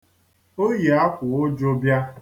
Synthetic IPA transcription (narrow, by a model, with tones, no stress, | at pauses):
o˦je˨a˦kʷʊ˨o˦d͡ʒo˦bja˦